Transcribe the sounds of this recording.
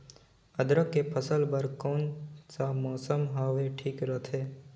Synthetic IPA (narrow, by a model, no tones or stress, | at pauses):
əd̪ɾəkːepʰəsəlbəɾkɔːnsamɔːsəmɦaʋeʈʰiːkɾət̪ʰeː